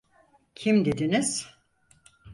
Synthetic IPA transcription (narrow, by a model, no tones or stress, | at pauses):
cʰimd̪ed̪iniz̥